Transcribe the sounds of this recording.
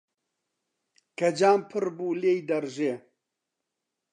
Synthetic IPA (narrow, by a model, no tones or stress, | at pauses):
kɐd͡ʒaːmpʰɨɾbuːleːjd̪ɐɾʒeː